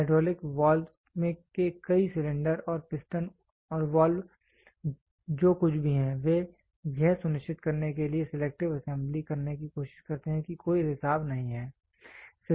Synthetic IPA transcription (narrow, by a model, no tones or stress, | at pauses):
ɪɖɾɔːlɪkʋaːl | mẽkekɐisɪlɪ̃ɳɖəɾɔːɾpɪsʈən | ɔːɾʋaːlw | d͡ʒoːkʊt͡ʃʰbʱiɦɛ̃ːʋe | jɛɦsʊnɪʃt͡ʃɪt̪kɐɾnekeliesɪleːk̚ʈɪʋɐsɛ̃mblikɐɾnekikoːʃɪ̥ʃkɐɾt̪eɦɛ̃kikoːiɦɪsaːbnɐɦĩɦɛː | s